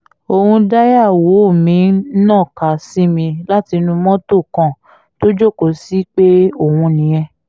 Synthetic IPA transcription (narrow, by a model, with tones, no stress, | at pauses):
o˧hũ˧da˦ja˦˨wo˨˦o˦˨mĩ˨˦nɔ̃˦˨ka˨si˦mĩ˧la˦ti˧nũ˧mɔ̃˦to˦˨kã˨ | to˦d͡ʒo˦˨ko˨˦si˦k͡pe˦o˦˨hũ˧nĩ˨jɛ̃˧